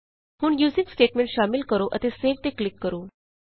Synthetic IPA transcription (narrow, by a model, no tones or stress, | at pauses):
huːɳjuːziŋksʈeːʈmẽɳʈʃamilkəɾoʔə̰t̪eseʋt̪eklɪkːəɾuː